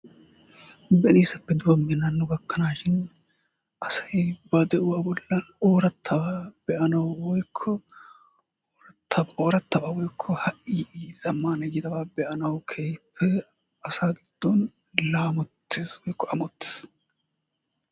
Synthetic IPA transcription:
bɛniːsɐpːɛd̪ʊbɐmːɛnɐnːʊɡɐkːɐnaːʃɪn | ʔɐsɐjbɐd̪ɛʔʊwaːbɔlːɐnoːɾɐt̪ʰːɐbaːb̥ɛʔɐnɐwwɔjkʰːɔ | ɾɐt̪ːɐboːɾɐt̪ːɐbaːwɔjkʰːɔhɐʔiːiːz̥ɐmːaːnɐjɪd̪ɐbaːbɛʔɐnɐwkʰeːjpʰːɛ | ɐsaːɡɪd̪̥ːɔn | laːmɔt̪ːɪswɔjkːɔʔɐmɔt̪ːɪ̥s

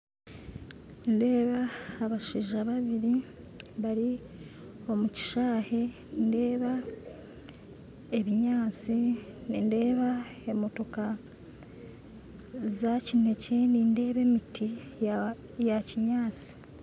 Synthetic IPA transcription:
nde̞ːβaːβaʃiːʒaβaβiɾi | βaɾi | o̞muci̥ʃaːhe̞ | nde̞ːβa | e̞βiɲaːt͡sininde̞ːβae̞mo̞to̞ka | zacine̞ce̞ninde̞ːβe̞miti | jaciɲaːt͡si̥

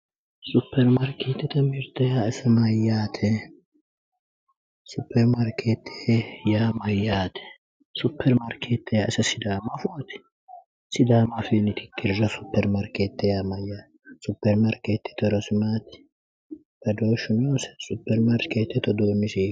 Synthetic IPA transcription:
sʊpːɛɾmɐɾkeːt̪ːɛt̪ɐmɪɾt̪ɐjaːɪsɐmɐjːaːt̪ʰɛ | sʊpːɛɾmɐɾkʰeːt̪ʰːe̥jaːmɐjːaːt̪ʰɛ̥ | sʊpːɛɾmɐɾkʰeːt̪ːɛjaːʔɪsɐsɪd̪aːmɐfʊt̪ | sɪd̪aːmɐfiːnɪt̪ɪ̥kːɪɾzɐsʊpːɛɾmɐɾkeːt̪ːɛjaːmɐjːaː | sʊpːɛɾmɐɾkeːt̪ːɛ̥t̪ɔɾɔsɪmaːt̪ɪ̥ | t̪ɐd̪oːʃːʊnoːsɛ̥sʊpːɛɾmɐɾkeːt̪ːɛt̪ɔd̪oːmːɪsiː

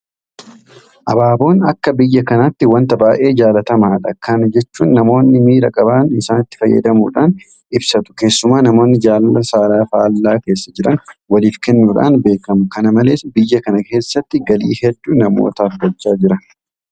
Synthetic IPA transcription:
ʔɐbaːbo̞ːnɐkːɐbɪjːɐkɐnat̪ːɪwɐnt̪ɐbaːʔe̞ːd͡ʒaːlɐt̪ɐmaːᶑɐkɐnd͡ʒɛt͡ʃːuːnːɐmo̞ːnːɪmiːɾɐkʼɐbaːnɪsaːnɪt̪ːɪ̥fɐjːɐ̰d̪ɐmṵːᶑaːn | ɪbsɐt̪ʊ̥ke̞ːsːʊmaːnɐmo̞ːnːɪd͡ʒaːlɐsaːɾaːfaːlːaːke̞ːsːɐd͡ʒɪɾɐnwɐliːfkɛnːuːᶑa̰ːnbe̞ːkɐmʊkɐnɐmɐle̞ːsbɪjːɐkɐnɐke̞ːsːɐt̪ːɪɡɐlḭːhɛᶑːuːnɐmo̰ːt̪ɐːfɡɐt͡ʃːaːd͡ʒɪɾɐn

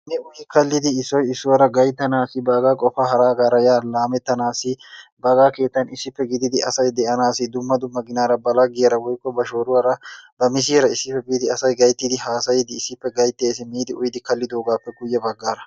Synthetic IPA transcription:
nɛʊjɪkɐlːɪd̪ɪːsːɔjɪsːʊwɐɾɐɡɐjt̪ːɐnaːsɪbɐɡaːkʼɔfaːɦɐɾaːɡaːɾɐjaːlaːmɛt̪ːɐnaːsɪbɐɡaːke̞ːt̪ːɐnɪsːɪpːɛɡɪd̪ɪd̪ɪʔɐsɐjd̪ɛʔɐnaːsɪd̪ʊmːɐd̪ʊmːɐɡɪnaːɾɐbɐlaɡɪjɾɐwɔjkːɔbɐʃoːɾʊwɐɾɐbɐmɪs̬iːɾɐɪsːɪpːɛbiːd̪ɪɐsɐjɡɐjt̪ːɪd̪ɪɦaːsɐjɪd̪ɪːsːɪpːɛɡɐjt̪ːeːsɪmiːd̪ɪʊjɪd̪ɪkɐlːɪd̪oːɡaːpːɛɡʊjːɛbɐɡːaːɾɐ

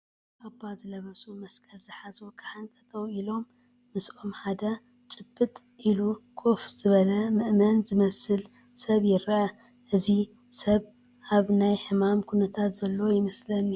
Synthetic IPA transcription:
ʔabazɨlɐβɐsumɐskʼɐlzɨħazokʰɨ̥ħant̪ʼɐ̥t̪ʰowilo̞mː | ɨso̞mħad̪ɐ | t͡ʃʼɨb̥ːɨt̪ʼ | ʔilukʰo̞fz̥ɨβɐlɐmɨʔmɐnzɨmɐsɨl | sɐβjɪɾʔɐ | ʔɨzi | sɐβ | ʔaβnajħɨmamkʰunɐt̪ʰat̪z̥ɐlːowojɪmɐslɐn

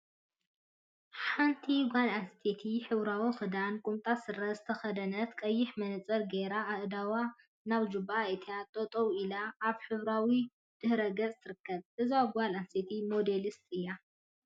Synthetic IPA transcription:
ħant̪ʰiɡʷalast̪ʰet̪ʰiħɨβɾawixɨd̪ankʼumt̪ʼasɨɾɐzɨt̪ʰɐxɐd̪ɐnɐt̪kʼɐjːɪħmɐnɨt͡sʼɐɾɡeɾaaʔd̪awa | naβd͡ʒɨbaet̪ʰijat̪ʼot̪ʼowilaːβħɨβɾawi | d̪̥ɨhɾɐɡɐt͡sʼt̪ʰɨɾɨkːɐβʔɨzɡʷalanset̪ʰimo̞d̪elist̪ʼɨjːa

